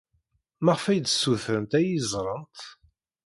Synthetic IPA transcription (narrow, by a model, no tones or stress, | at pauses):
mæʁəfæjd̪sːuθɾəmt̪æjizˤɾˤənt̪